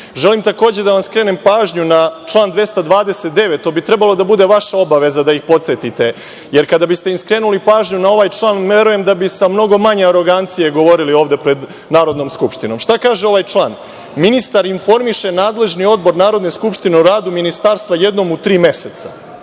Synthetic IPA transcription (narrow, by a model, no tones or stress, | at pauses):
ʒe̞limt̪ako̞ːd͡ʑe̞d̪aʋamskɾe̞ːnempaːʒɲunat͡ʃlˠaːnd̪ʋe̞st̪ad̪ʋaːd̪eset̪̚d̪e̞ʋet̪o̞bit̪ɾe̞balˠo̞d̪abud̪e̞ʋaʃao̞baʋe̞zad̪aixpo̞t̪set̪it̪e̞ | jeɾkad̪abist̪e̞imskɾe̞ːnulipaːʒɲunao̞ʋaːjt͡ʃlˠaːne̞ɾuje̞md̪abisamno̞ɡo̞maɲeaɾo̞ɡant̪sije̞ɡo̞ʋo̞ɾilio̞ːʋd̪epɾe̞d̪ | naːɾo̞d̪no̞mskupʃt̪ino̞mʂt̪akaːʒeo̞ʋajt͡ʃlˠaːn | minist̪aɾinfo̞ɾmiʃe̞naːd̪le̞ʒnio̞d̪bo̞ɾnaːɾo̞d̪neskupʃt̪ine̞uɾaːd̪uminist̪aːɾst̪ʋaje̞d̪no̞mut̪ɾiːme̞set̪sa